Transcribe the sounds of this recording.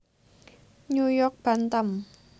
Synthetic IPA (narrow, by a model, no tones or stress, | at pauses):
ɲujɔrk̚b̥a̤nt̪əm